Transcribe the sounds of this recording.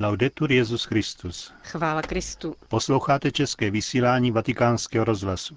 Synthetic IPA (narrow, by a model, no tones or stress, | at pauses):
lawd̪ɛt̪uɾjɛzusxkɾist̪usxvaːlakɾɪst̪uposlowxaːt̪ɛt͡ʃɛskɛːʋisiːlaːɲiːʋat̪ikaːnskɛɦɔɾɔzɦlasu̥